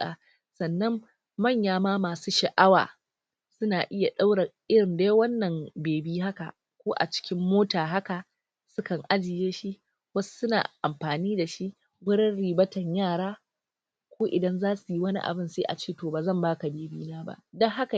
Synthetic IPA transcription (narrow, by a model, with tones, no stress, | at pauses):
aː˨ | sɐ˨nːɐ˦mː | ɐ˦˨ɲjaː˨maː˦maː˨suː˦ʃɐ˨ʔa˦wa̰ː˨ | sʊ˦naː˨ʔɪ˦ja˨ɗa˦wɽɐ˨ʔɪ˦ɽɪ˨ndeː˦wɐ˦nːɐ˨mbeː˨biː˦ha˦ka̰˨ | kʷoː˦ʔa̰˨t͡ʃɪ̥˦kʲɪ˦mːoː˦taː˨ɦa˦ka˨ | sʊ˦kɐ˨ŋʔa˦d͡ʒɪ˨jeː˦ʃi˦ | wɐ˦su̥˦sʊ˦na̰ː˨ʔa˨mɸaː˨niː˦da˨ʃi˦ | ɡʷʊ˦ɽɐ˦nɽiː˨bɐ˦tɐ˨ɲjaː˦˨ɽaː˦ | kʷoː˦ʔɪ˨dɐ˦nzaː˦su˨ji˦wɐ˦nḭ˦ʔa̰˨bɪ˦nseː˦ʔa̰˨t͡ʃeː˦˨toː˨baː˨zɐ˦˨mbaː˦ka˨beː˨bḭː˦naː˦ba̰˦ʔdɐ˦ŋɦa˦ka˨